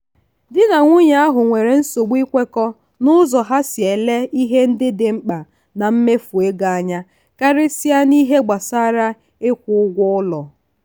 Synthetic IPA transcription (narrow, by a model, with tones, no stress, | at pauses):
dɪ˦na˨ŋʷʊ˦ɲa˦a˦ɦʊ˨ŋʷe˨ɾe˨n̩˦so˨ɡ͡bi˦kʷe˦kɔ˦ | nʊ˦zɔ˨ɦa˦sje˨le˦i˦ɦe˦n̩˦dɪ˦dɪ˨m̩˦k͡pa˨ | na˨m̩˦me˦fu˨e˦ɡa˨a˨ɲa˦ | ka˦ɾɪ˦si˦a˦ni˦ɦe˦ɡ͡ba˨saː˦ɾa˦ | ɪ˦kʷʊ˨ʊ˦ɡʷʊ˦ʊ˦lɔ˨